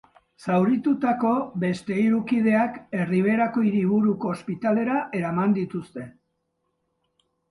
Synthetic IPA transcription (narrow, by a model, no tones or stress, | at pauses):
sawɾit̪ut̪ako̞be̞st̪e̞iɾukiðe̞ake̞riβ̞e̞ɾako̞jiɾiβ̞uɾuko̞ːspit̪ale̞ɾaʔe̞ɾamand̪it̪ust̪e̞